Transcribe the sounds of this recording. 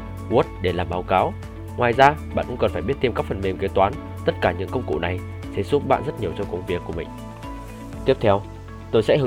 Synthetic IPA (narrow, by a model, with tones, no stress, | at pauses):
u˦˥t̚ɗe˧˩laː˨˩mɓaː˨˦wkaː˨˦w | ŋwaː˨˩jzaː˧ɓa̰ː˧˨nkʊ̰˧˥ŋ͡mkə˨˩nfaː˧˩ɓət̪i˧mkaː˦˥k̚fə˨˩nme˨˩mke˨˦t̪waː˨˦n | t̪ə˦˥t̚kaː˧˩ɲɨ̰˧˥ŋkə˧wŋ͡mkṵ˧˨na˨˩j | sɛ̰˧˥su˦˥p̚ɓa̰ː˧˨nzə˦˥t̚ɲi˨˩əwt͡ɕɔ˧kə˧˩wŋ͡mvi˨˩əkːu˧˩mï˨˩ŋ̟ | t̪i˦˥əp̚t̪ʰɛ˧w | t̪o˧jsɛ̰˧˥ɦɨ˨